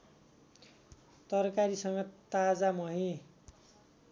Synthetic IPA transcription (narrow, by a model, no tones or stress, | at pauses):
t̪ʌrkaɾisʌŋɡʌt̪ad͡zamʌɦĩ